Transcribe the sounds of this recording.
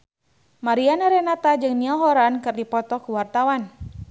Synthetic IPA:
maɾianaɾɛnat̪ad͡ʒɨŋniaɦɔɾankɨrdipɔt̪ɔkuwart̪awan

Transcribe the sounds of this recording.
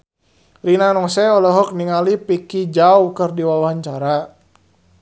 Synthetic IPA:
rinanɔsɛɔlɔɦɔk̚niŋalipikid͡ʒawkərdiwalaɲt͡ʃaɾa

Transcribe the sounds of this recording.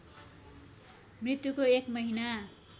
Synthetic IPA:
mrit̪jukoekmʌɦina

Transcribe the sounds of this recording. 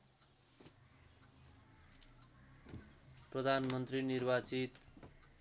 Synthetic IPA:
prʌd̪ʱanmʌnt̪rinirbat͡sit̪

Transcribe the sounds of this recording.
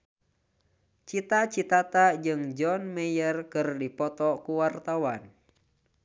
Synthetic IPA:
t͡ʃit̪at͡ʃit̪at̪ad͡ʒɨŋd͡ʒɔnmɛjərkɨrdipɔt̪ɔkuwart̪awan

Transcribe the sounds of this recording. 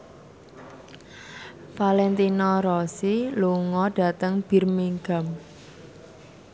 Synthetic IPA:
falɛnt̪inɔɾɔsiluŋɔɖ̥a̤t̪əŋb̥i̤rmiŋɡam

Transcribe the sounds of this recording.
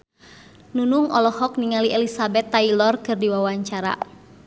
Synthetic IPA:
nunuŋɔlɔhɔk̚niŋaliʔɛlisabɛt̪ːailɔrkɨrdiwawaɲt͡ʃaɾa̰

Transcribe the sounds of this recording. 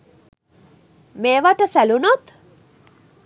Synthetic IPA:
meːʋaʈəsælunot̪

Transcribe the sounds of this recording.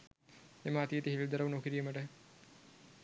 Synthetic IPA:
eməat̪ijet̪iɦelud̪ɐɾɐʋunokiɾijəməʈə

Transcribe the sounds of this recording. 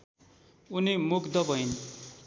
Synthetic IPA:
unimukʰd̪ʌbʌjn

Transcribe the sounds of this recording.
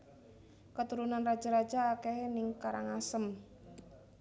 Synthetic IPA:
kət̪uɾunanrḁʒ̥aɾḁd͡ʒaːkenɪŋkaɾaŋasəm

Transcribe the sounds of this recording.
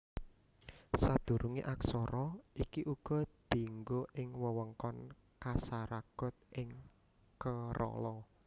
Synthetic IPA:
sad̪̥ṳɾuŋḭʔaksɔɾɔʔikiʔuɡ̥ɔ̤d̪̥i̤ŋɡoʔɪŋwəwəŋkɔn | kasaɾaɡ̥ɔ̤t̪̚ʔɪŋ | kəɾɔ̰lɔ

